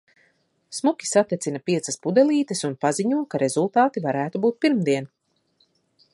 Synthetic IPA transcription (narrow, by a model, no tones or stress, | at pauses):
smukʲi̥sat̪ːʲet̪sinɐpiɛsɐspud̪ɛlˠiːt̪ɛsunpaziɲuɔkaɾʔe̞zulˠt̪aːt̪ivaɾæːt̪ubuːt̪̚piɾmd̪iɛn